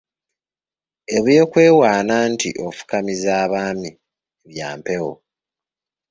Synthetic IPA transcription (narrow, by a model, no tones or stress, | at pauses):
e̞βeːkwe̞ːwaːnantḭʔo̞fu̥kamizaːβaːmi | βjaːmpe̞ɣo